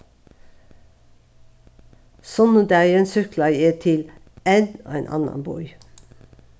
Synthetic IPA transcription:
sɔnəd̪æːeːnsʏklɑjeːt̪ʰɪl | enoːḛːnʔɑ̰nɑ̰nbɔ̰ʏ

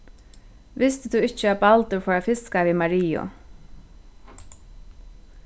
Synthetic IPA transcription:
ʋɪst̪ɪt̪ʰuɪht͡ʃəapalt̪ʊɹfɔːɾafɪskaʋiːmaɹiːʊ̰

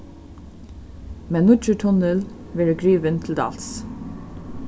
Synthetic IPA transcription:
mɛːnʊt͡ʃətʰɔnəl | ʋɛːɹəɡɹiːʋənt̪ʰɪld̪ɑ̰ls

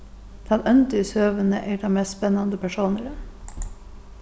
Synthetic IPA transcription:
t̪ʰɑnʔœnt̪ʏsøːʋənəʔeːd̪ɑːmeːst̪spɛnɑnd̪əpʰæʃuːnəɾə

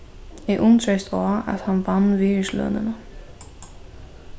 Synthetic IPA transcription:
ɛʔʊnt̪ɾejst̪ɔːa̰ðhanvanːviːɪslœ̰ːnɪ̰na

